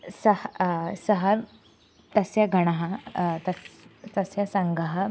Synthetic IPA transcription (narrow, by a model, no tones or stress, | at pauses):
səhsəɦaɾ | t̪əsjaɡʱəɽ̃aɦat̪əst̪əsjasãŋɡʱaɦa